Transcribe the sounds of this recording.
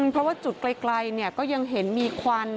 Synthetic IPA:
ŋpʰɾɔ˦˥waː˥˩t͡ɕu˨˩t̪̚kla˧jkla˧jni˥˩əkɔː˥˩ja˧ŋɦe˩˦nmiː˧kʰwaː˧n

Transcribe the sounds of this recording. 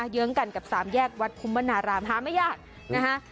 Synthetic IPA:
jɯ˦˥ŋka˧nka˨˩p̚saː˩˦mjɛː˥˩k̚wa˦˥t̪̚pʰu˧˦mːa˧˥naː˧ɾaː˧mɦaː˨˩˦ma˥˩jaː˥˩k̚ | na˦˥kʰa˦˥ʔ

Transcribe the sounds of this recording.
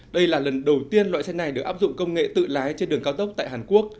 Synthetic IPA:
ɗə˧jlaː˨˩lə˨˩nɗə˨˩wt̪i˧ənlwa̰ː˧˨sa˧ŋna˨˩jɗɨ˨˩əkʔaː˦˥p̚zʊ̰˧˨ŋ͡mkə˧wŋ͡mŋḛ˧˨t̪ɨ̰˧˨laː˨˦jt͡ɕe˧nɗɨ˨˩əŋka˨˧wt̪ə˦˥k͡p̚t̪a̰ː˧˨jɦaː˨˩nku˦˥ək̚

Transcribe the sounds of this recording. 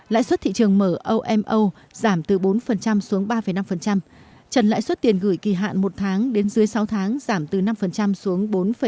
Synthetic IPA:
la̰ː˧˨jswə˦˥t̚t̪ʰḭ˧˨t͡ɕɨ˨˩əŋməː˧˩ʔə˧wʔɛ˧mʔə˧w | z̥aː˧˩mt̪ɨ˨˩ɓo˨˦nfə˨˩nt͡ɕa˧msu˨˦əŋɓaː˧fə˧˨˩jna˧mfə˨˩nt͡ɕa˧m | t͡ɕə˨˩nla̰ː˧˨jswə˦˥t̚t̪i˨˩ənɣɨ˧˩jki˧˩ɦa̰ː˧˨nmo˨˩t̚t̪ʰaː˨˦ŋɗe˨˦nzɨ˨˦əjsa˨˦wt̪ʰaː˨˦ŋzaː˧˩mt̪ɨ˨˩na˧mfə˨˩nt͡ɕa˧msu˨˦əŋɓo˨˦nfə˨˩

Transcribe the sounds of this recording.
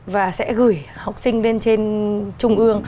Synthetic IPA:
vaː˨˩sɛ̰˧˥ɣɨ˨˧˩jha˨˩wk͡p̚sï˧ŋ̟ɗe˧nt͡ɕe˧nt͡ɕʊ˧ŋ͡mʔɨ˧əŋ

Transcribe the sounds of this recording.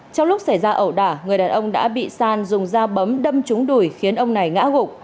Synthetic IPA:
t͡ɕɔ˧ŋ͡mlʊ˦˥k͡p̚sa˧˩jzaː˧ʔə˧˩wɗaː˧˩ŋɨ˨˩əjɗaː˨˩nʔə˧wŋ͡mɗa̰ː˧˥ɓḭ˧˨saː˧nzʊ˨˩ŋ͡mzaː˧ɓə˨˦mɗə˧mt͡ɕʊ˨˦ŋ͡mɗu˧˩jxi˨˦ənʔə˧wŋ͡mna˨˩jŋa̰ː˧˥ɣʊ˨˩k͡p̚

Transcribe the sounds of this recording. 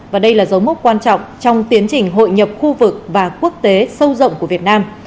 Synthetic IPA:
vaː˨˩ɗə˧jlaː˨˩zə˨˦wmʊ˦˥t̚kwaː˧nt͡ɕɔ̰˧˨ŋ͡mt͡ɕɔ˧wŋ͡mt̪i˨˦ənt͡ɕï˨˩ŋ̟ɦo̰˧˨jɲə˨˩p̚xu˧vɨ˨˩k̚vaː˨˩ku˦˥ək̚t̪e˨˦sə˧wzə̰˧˨wŋ͡mku˧˩əvi˨˩ət̚naː˧m

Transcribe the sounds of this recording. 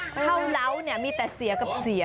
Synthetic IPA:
a˥˩wla˦˥˩wni˥˩əmiː˧t̪ɛː˨˩si˨˩˦ɐka˨˩p̚si˩˦

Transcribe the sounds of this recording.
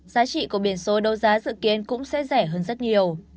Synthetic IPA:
z̥aː˨˦t͡ɕḭ˧˨ku˧˩əɓi˧˩ənso˨˦ɗə˧wzaː˨˦zɨ̰˧˨ki˨˦ənkʊ̰˧˥ŋ͡msɛ̰˧˥zɛ˧˩ɦəː˧nzə˦˥t̚ɲi˨˩əw

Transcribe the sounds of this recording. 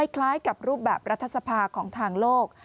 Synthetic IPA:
jkʰlaː˦˥jka˨˩p̚ɾuː˥˩p̚bɛː˨˩p̚ɾa˦˥t̪ʰːa˧t̪sa˧pʰaː˧kʰɔː˩˦ŋt̪ʰaː˧ŋloː˥˩k̚

